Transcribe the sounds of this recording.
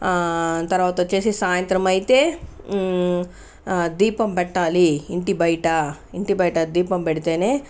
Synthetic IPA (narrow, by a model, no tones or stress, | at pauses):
t̪ɐɾʋaːt̪ɐt͡ʃe̞ːsisaːjɐnt̪ɾɐmɐjt̪e̞ː | d̪iːpɐmpɛʈːaːliːɳʈibɐjʈɐ | iɳʈibɐjʈɐd̪iːpɐmbɛɽit̪eːneː